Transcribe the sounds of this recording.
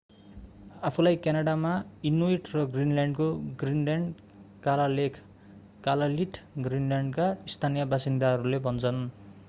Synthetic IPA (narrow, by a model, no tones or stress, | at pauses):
apʰulajkanaɽamainoiʈrʌɡrinljaɳɖkoɡrinlaɳɖ | kalalekʰ | kalaliʈʰɡrinljaɳɖkaist̪ʰanijʌbasind̪aɦʌɾulebʱʌnt͡sʰʌn